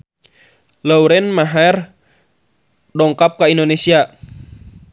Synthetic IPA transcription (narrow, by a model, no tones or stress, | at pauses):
lauɾɛnmaɦaɛr | dɔŋkap̚kaindonesia